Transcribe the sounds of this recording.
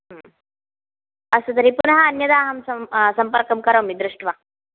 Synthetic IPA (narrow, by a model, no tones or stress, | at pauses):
ɐst̪ɐt̪ɐɾipunɐɦɐːnjɐd̪aːɦɐmsɐsɐmpɐɾkɐmkɐɾɐːmid̪ɾuʂʈʋɐ